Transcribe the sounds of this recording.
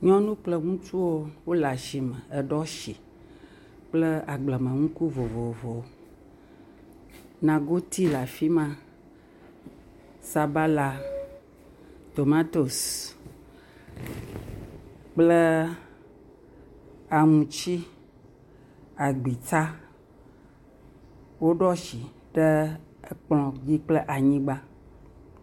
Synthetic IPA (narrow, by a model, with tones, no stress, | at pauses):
ɲɔ̃˦nũ˦k͡plə˦ŋũ˦t͡ʃu˦wo˦wo˦la˨ʃi˨mə̃˨ɛ˨ɖɔ˦ʃi˨ | k͡plə˦a˨ɡ͡blə˨mə̃˨ŋũ˦ku˦vo˨vo˨vo˨o˨ | nã˨ɡo˦t̪ʰi˦la˨fi˦mã˦ | sa˨ba˦la˨ | t̪o˨mã˦t̪o˨s | k͡ple˦ | a˨ŋũ˨t͡ʃi˦ | a˨ɡ͡bi˨t͡sa˦ | wo˦ɖɔ˦ʃi˨ | ɖɛ˦ | e˦k͡plɔ̃˨d͡ʑi˦k͡ple˦ʔa˨ɲĩ˦ɡ͡ba˦